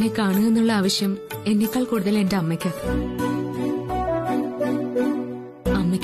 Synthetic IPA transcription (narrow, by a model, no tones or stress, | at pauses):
nekaːɳue̞nːuɭːɐaːʋɐɕjɐme̞nːikːɐɭkuːɽuðɐle̞ndeɐmːɐkʲːɐ | ɐmːɐkʲː